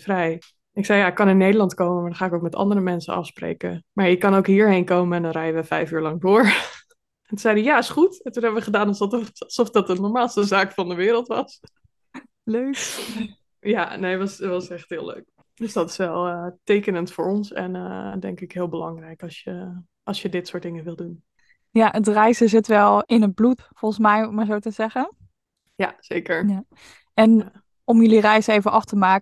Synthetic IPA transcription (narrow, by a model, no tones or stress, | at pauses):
frɛj | ɪksɛjaːɪkːɑnɪnːejdəlɑntkowməmaːdɑnχaːɪkowk̚mɛtɑ̰ndəɾəmɛnsə̰ɑ̰fsprḛːkə̰maːɹjəkɑnoʊwkɦiːɹɦejnkowməɛndɑnrɛjəʋəfɛjfyːɹlɑŋdʊːɹ | ɛntuzɛjdəjaːɪsχutɛntunɦɛbəʋəχədaːnɑlˠstlˠsɔfdɑtənɔɹmaːlˠstəzaːkfɑndəʋɪːɾəlˠtʋɑs | løk | ja̰nejʋɑsʋɑsɛχtɦɪːlˠø̰ɥk̚ | døsdɑtɪ̥sʋɛlˠətejkənəntfʊːɹɔnsɛ̰nədɛŋkɪkɦɪːlˠbəlɑŋrɛjkɑsjə | ʔɑlˠsjədɪtsʊːtdɪŋəʋɪlˠdun | jaʔətrɛjsəzɪtʋɛlˠɪnəd̚blut | fɔlˠsmɛjɔmaːɹzowtəzɛχən | jaz̥eːkəɹja | ɛn | ɔmjɵlirɛjsejvəʔɑftəmaːk